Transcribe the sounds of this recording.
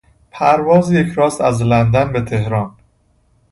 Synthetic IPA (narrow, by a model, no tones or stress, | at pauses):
pʰæɾvɒːzijecʰɾɒːst̪æzlænd̪ænbet̪ʰe̞hɾɒːn